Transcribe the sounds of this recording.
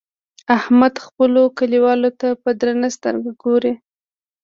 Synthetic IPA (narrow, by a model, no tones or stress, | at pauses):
ahmad̪xpəlokaliwɑlot̪apəd̪ɾanast̪ə̰ɾɡaɡoɾe